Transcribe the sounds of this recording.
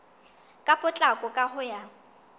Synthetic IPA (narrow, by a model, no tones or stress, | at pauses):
kʼapʼʊt͡ɬʼakʼɔkʼahʊja